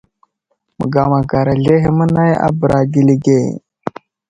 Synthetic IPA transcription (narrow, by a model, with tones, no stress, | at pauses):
mə̰˨ɡa˨ma˨ɡa˨ɾa˨ɮe˦ɦi˦mə˦na˦ja̰˦bə˨ɾa˨ɡi˨li˦ɡe˦˨